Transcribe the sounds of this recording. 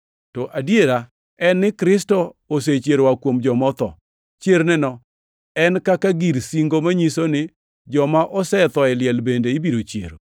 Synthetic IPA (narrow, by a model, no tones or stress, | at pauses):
tɔʔadjeɾa | ɛnːɪkɾɪstɔos̬et͡ʃjeɾwakwomd͡ʒɔmɔt̪ɔ̰ | t͡ʃjeɾnɛnɔ | ɛnkakaɡiɾsiŋɡomaɲisonɪ | d͡ʒɔmaʔɔsɛt̪ɔɛljɛlbendeibiɾot͡ʃjḛɾo